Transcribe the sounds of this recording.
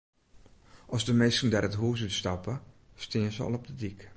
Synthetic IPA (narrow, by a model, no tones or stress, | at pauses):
ʔɔsdəmejsəndɛɾətɦuːs̬ytstɑpə | stɪːnzəɔ̰lˠɔp̚dədik